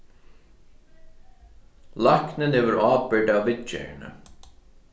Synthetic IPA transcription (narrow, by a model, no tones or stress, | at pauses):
laknɪnɛvʏɾaːpɪɖavːɪt͡ʃɛ̰nə̰